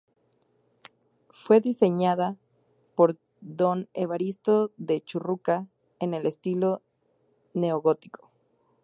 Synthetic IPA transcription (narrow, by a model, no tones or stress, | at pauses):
fwe̞ðise̞ɲaða | po̞ɾ | ðo̞neβaɾist̪o̞ðe̞t͡ʃuruka | ene̞le̞st̪ilo̞ | ne̞oɣot̪i̥kʰo̥